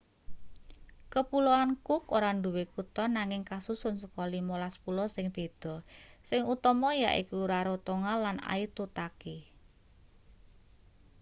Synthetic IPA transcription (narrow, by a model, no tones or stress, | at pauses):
kəpuloankʊkoɾaɳɖuwekut̪ɔnaŋɪŋkasusʊnsəkɔlimolaspulɔsɪŋb̥e̤d̪̥ɔ̤sɪŋut̪ɔmɔja̰ʔḭkuɾaɾot̪oŋalana̰it̪ut̪aki